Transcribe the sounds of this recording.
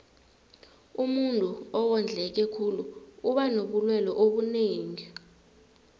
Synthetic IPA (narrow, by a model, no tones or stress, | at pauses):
umuntʼuɔwɔnd͡ɮʱɛk̬ɛkʰuluuɓanoɓulwɛlɔʔoɓuneːŋi